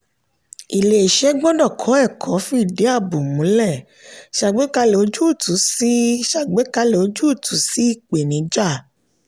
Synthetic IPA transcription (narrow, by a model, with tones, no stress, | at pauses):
i˨le˨e˨ʃɛ˦ɡ͡bɔ˦dɔ˦˨kʰɔ˨˦ɛ˦˨kʰɔ˨˦fĩ˦i˦˨de˨˦a˦˨bu˨mũ˨˦lɛ˦˨ | ʃa˧˨ɡ͡be˨˦ka˧lo˨˦d͡ʒu˦˨tũ˨˦si˦ʃa˦˨ɡ͡be˨˦ka˧lo˨˦d͡ʒu˦˨tu˨˦si˦i˦˨k͡pe˨nĩ˨˦d͡ʒa˦˨